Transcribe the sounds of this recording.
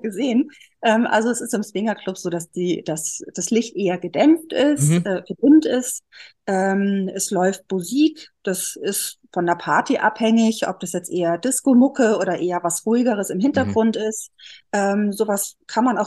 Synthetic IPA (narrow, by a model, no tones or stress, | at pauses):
ɡ̥əzeːən | ʔɛːmʔa̰lzoɛsɪstɪmsv̥ɪŋɐkl̥ʊpz̥oːdasd̥iːd̥asd̥aslɪçtʔeːɐɡədɛmftʔɪstʔɛːɡ̥ədɪntɪstʔɛːmʔɛslɔʏft̚m̥uziːkd̥asɪstfɔndeːɐpʰaɐtiʔa̰phɛŋɪçʔɔ̰p̚d̥asjɛt͡stʔeːɐdɪskomʊkəʔoːɾɐʔeːɐvasʁ̥uɪɡəʁ̞əsɪmɦɪntɐɡʁʊntɪstʔɛːmzoːvaskʰanmanaʊ